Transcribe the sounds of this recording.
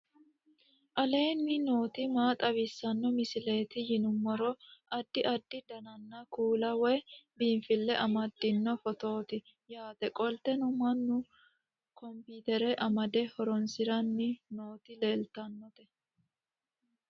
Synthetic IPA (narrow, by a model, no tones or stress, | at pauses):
ʔɐle̞ːnːɪno̞ːt̪ɪmaːt̪ʼɐβɪsːɐnːɔmɪsɪle̞ːt̪ɪjɪnʊmːɔɾɔʔɐd̪ːɪʔɐd̪ːɪd̪ɐnɐnːɐkuːlɐwɛbiːɱfɪlːɛʔɐmɐd̪ːɪnːɔfɔt̪o̞ːt̪ɪ | jaːt̪ɛkʼɔlt̪ɛnʊmɐnːʊ | kɔmpiːt̪ɛɾɛʔɐmɐd̪ɛhɔɾɔnsɪɾɐnːɪno̞ːt̪ɪleːlt̪ɐnːɔt̪ɛ